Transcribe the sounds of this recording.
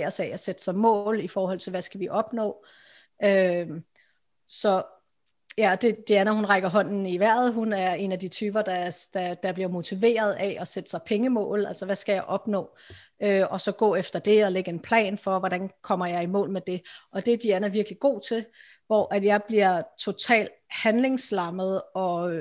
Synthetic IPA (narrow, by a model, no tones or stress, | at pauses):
ɐsæɒsed̥ə̥sɑ̈ɪmɔ̰̽ːlifɒːɦɒ̽l̰t͡sʰe̝lʋæsɡ̥æʋiʔɒ̽b̥nɔ̰̽ː | ø | sɒ̽ | jæɒd̥e̝d̥eænɐhunʁɑ̈ɪɡ̥ɐɦɒ̽n̰n̩iʋæɐ̰ð̩ˠɦunæɐe̝næd̥it͡sʰyːb̥ɐd̥ɑd̥ɑd̥ɑ̈b̥liɐmo̝t͡sʰiʋe̝̰ːɐð̞ˠɛʔɒsed̥ə̥sɑ̈ɪpʰeŋəmɔ̰̽ːlæl̰sɐʋæsɡ̥æjɑ̈ɪʔɒ̽b̥nɔ̰̽ːøɒ̽sɒ̽ɡ̥ɔ̰ːefd̥ɐd̥e̝ɒ̽leɡ̥əe̝npʰlɛ̰ːnfɒ̽ʋɒɾ̥ænkʰɒ̽m̰ɐjɑ̈ɪimɔ̰̽ːlmed̥e̝ɒ̽d̥e̝d̥iænɐʋiɐɡ̥liɡ̥o̝̰ːt͡sʰe̝l | ʋɒ̰ːʔæd̥jɑ̈ɪb̥liɐt͡sʰo̝t͡sʰɛ̰ːld̥hænle̝ŋslɑ̈məð̞̩ˠɒ̽